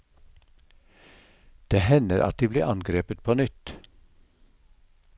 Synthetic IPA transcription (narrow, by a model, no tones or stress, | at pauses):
d̪̥eːhɛnəɾʔɑ̰t̪̚d̪iːblḭːʔɑnɡɾeːpət̪̚pʰoːnʏt̪